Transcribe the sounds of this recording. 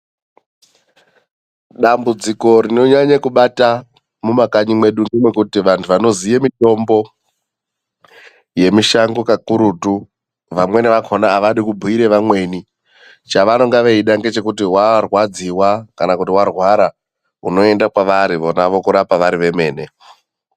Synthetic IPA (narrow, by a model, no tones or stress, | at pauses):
ɗambud͡ziko̞ɾino̞ɲaɲakuɓata | mumakaɲimwe̞ɗunemwe̞kutiʋantʰuʋano̞zijemito̞mbo̞ | je̞miʃaŋɡokakuɾutu | ʋamwe̞niʋakʰo̞naːʋaɗikubʱuiɾe̞ʋamwe̞ni | t͡ʃaʋano̞ŋɡaʋeiɗaŋɡe̞t͡ʃe̞kutiwarwad͡ziwakanakutiwarwaɾa | uno̞e̞ndakwaʋaɾiʋo̞naʋo̞kuɾapaʋaɾiʋe̞me̞ːne̞